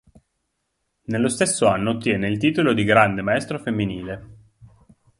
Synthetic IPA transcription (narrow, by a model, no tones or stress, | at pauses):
nelːost̪esːoanːoːt̪ːjɛːneilt̪iːt̪olod̪iɡɾand̪emaɛst̪ɾofemːiniːle